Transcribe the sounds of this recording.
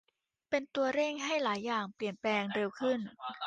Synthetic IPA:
pe˧nt̪u˧ɐɾe˥˩ŋɦa˥˩jlaː˩˦jːaː˨˩ŋpli˨˩ənplɛː˧ŋde˧wkʰɯ˥˩n

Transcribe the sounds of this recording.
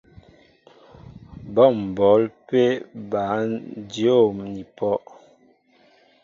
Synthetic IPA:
bɔ˦˨m̩˨bɔ˨˦lpe˦ba˨˦djo˦˨mni˨pʰɔ˦ʔ

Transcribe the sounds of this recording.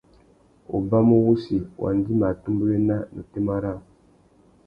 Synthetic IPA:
o̰˨ba˦mo˦wu˦si˨wa̰˨n˦di˦ma˨tu˦mbu˦ɾe˦na˦nu˨te˦ma˦ɾa˦˨

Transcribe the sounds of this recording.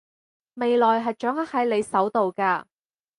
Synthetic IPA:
me˨jlɔː˨jɦɐ˨jt͡ʃœː˨˥ŋɐ˥t̚hɐ˨˥jle˨˧jsɐ˨˥wt̪o˨wkaː˧

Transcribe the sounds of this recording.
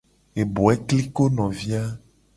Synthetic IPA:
e˨bo˨ɛ˦kli˦ko˦nɔ̃˨vi˦a˦

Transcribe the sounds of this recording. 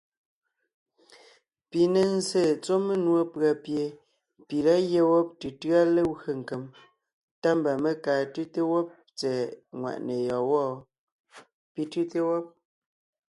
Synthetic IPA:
pi˨ne˨n̩˦ze˦˨t͡so˦me˦nwo˦pɰa˨pje˨ | pi˨la˦ɣje˦wɔ˦p̚tɨ˨tɰa˦le˦wɰe˨ŋ̩˨ke˨m | ta˦m˨ba˨me˦kaː˨tʉ˦te˦wɔ˦p̚ | t͡sɛ˨ŋwa̰˨ʔne˨jɔ˨wɔ˦˨ | pi˨tɨ˦te˦wɔ˦p̚

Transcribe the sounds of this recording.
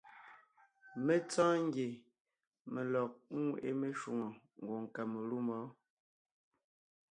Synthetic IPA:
me˦t͡sãː˦ŋ˦ɡje˨ | me˨lɔ˨k̩̚˦˨ʔe˦me˨ʃu˨ŋo˨ | ŋ˨ɡwo˨ŋ˨ka˨me˨lu˦mɔ˨˦

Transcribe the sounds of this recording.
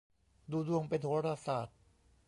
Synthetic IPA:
duː˧du˧əŋpe˧nt̪ʰoː˧˥ɾa˧saː˨˩t̪̚

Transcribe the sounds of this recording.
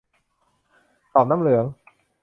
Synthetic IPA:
t̪ɔː˨˩p̚na˥˨mlɯ˨˩˦əŋ

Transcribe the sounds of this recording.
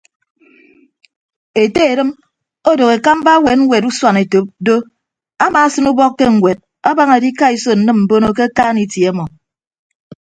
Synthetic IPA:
e˨te˦e˨ɾɨ˦m | o˦do˨ke˨ka˦m̩˦ba˦we˨t̚ŋ̩˦wʷe˨tu˦swa˨ne˨to˨˦p̚do˦ | a˦maː˨˦sɨ˦nu˦bɔ˦kːe˦ŋ̩˨wʷe˨d̚ | a˦ba˦ŋe˨di˦ka˦i˨so˨n̩˨˦nɨ˦mm̩˨bo˦no˦k̬e˦a˦kaː˦ni˨tji˨e˨˦mɔ˨

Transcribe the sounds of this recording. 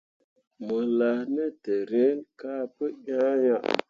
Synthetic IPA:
mə˨la˨hnə˦te˨ɾe˦nka˦pə˦jʲã˦ja˦ʔ

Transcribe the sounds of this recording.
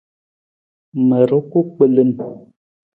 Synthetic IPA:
mə˨ɾo˦ku˦k͡pə˦˨lə˦n

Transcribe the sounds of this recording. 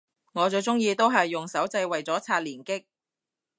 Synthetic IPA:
ŋɔː˨˧t͡sɵ˧t͡sʊ˥ŋjiː˧t̪o˥wɦɐ˨jːʊ˨ŋsɐ˨˥wt͡sɐ˧jwɐ˨jt͡sɔː˨˥t͡sʰaː˧t̚liː˨˩nkɪ˥k̚

